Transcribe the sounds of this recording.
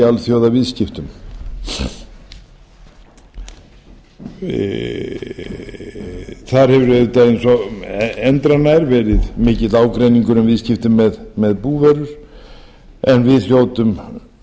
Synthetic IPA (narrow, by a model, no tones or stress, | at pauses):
alθjowðavɪðscɪft̪ʏm | θaɾ̥hɛvʏɾvɛːðɪt̪ajɪnsɔ | ɛnt̪ɾanajɾvɛːɾɪðmɪːcɪt̪laːwkɾejniŋkʏnʏmvɪðscɪft̪ʏmːɛðmɛðpuːvɛɾʏɾ̥ | ɛnvɪðθjoːwt̪ʏm